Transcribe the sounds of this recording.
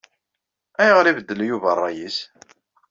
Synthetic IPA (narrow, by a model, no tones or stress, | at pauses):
æjʁɾivəd̪ːəljuvərˤːɑjis